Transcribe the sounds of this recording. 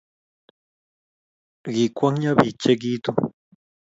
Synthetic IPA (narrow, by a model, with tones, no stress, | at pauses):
ɢi˨kʷa˦ŋɲa˦bi˨t͡ʃe˦ɡi˦t̪u˦